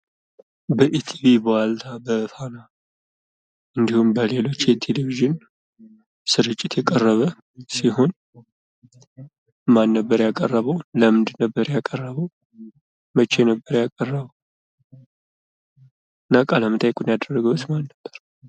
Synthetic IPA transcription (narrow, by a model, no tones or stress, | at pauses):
bəʔit̪ʰivibowalt̪ʰabət̪ʰana | ʔɨnd̪ihumbəle̞lo̞t͡ʃːjɛt̪ʰeleviʒɪn | sɨɾɨt͡ʃʼːɪt̪jɛkʼərːəβə | siho̞n | manːəbːəɾjakʼərːəβəwləmd̪ɨnəbːəɾjakʼərːəβəw | mət͡ʃːejnəbːəɾjakʼərːəβəw | ɨnːakʼaləmɨt̪ʼajkʼunjad̪ərːəɡəwt̪manːəbːəɾ